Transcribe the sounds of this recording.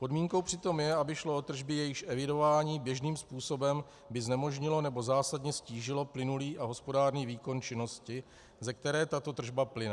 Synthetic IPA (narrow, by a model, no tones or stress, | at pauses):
po̞dmiːŋko̞wpr̥ɪt̪o̞mjɛabɪʃloʔo̞t̪r̩ʒbɪjɛjɪʃʔɛvɪdo̞vaːɲiːbjɛʒniːmspuːso̞bɛm | bɪznɛmo̞ʒɲɪlo̞nɛbo̞zaːsadɲɛsciːʒɪlo̞plɪnuliːʔaɦo̞spo̞daːrɲiːviːko̞nt͡ʃɪno̞scɪ | zɛkt̪ɛɾɛːt̪at̪o̞t̪r̩ʒbaplɪnɛ